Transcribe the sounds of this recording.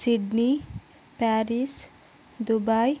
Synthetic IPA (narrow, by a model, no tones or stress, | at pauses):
siɖni | paɾis | d̪ubaj